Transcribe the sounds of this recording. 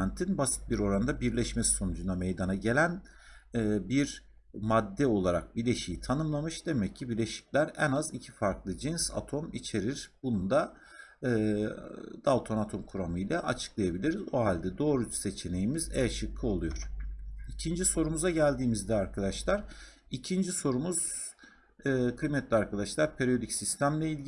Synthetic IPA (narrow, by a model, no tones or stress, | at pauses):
nt̪ʰinbasi̥t̪̚biɾo̞ɾand̪abiɾlʲɛʃmɛsso̞nud͡ʒund̪ame̞jd̪anaɟe̞lʲænː | biɾ | mad̪ːɛo̞lˠaɾa̰k̚bilʲe̞ʃijit̪ʰanɯmlˠamɯʃd̪e̞mɛcʰːibiɾlʲeʃi̥clʲæɾɛnazicʰi̥faɾklˠɯd͡ʒinsa̰t̪ʰo̞mit͡ʃʰe̞ɾiɾb̥unund̪aː | d̪̥alˠt̪ʰo̞nat̪ʰo̞mkʰuɾamɯjlʲɛʔat͡ʃʰɯ̥klˠajabilʲiɾizo̞ɦalʲd̪ɛd̪o̞ːɾuse̞t͡ʃʰe̞ne̞jimizɛʃɯkʰːɯo̞lˠujo̞ɾ̥icʰind͡ʒiso̞ɾumuzaɟælʲd̪iːmizd̪ɛaɾkʰad̪aʃlˠaɾ̥ | icʰind͡ʒiso̞ɾumuz̥ | ɯːkʰɯjmɛt̪lʲiaɾkʰad̪aʃlˠaɾpʰeɾijo̞d̪icsist̪ʰæmlʲɛilʲ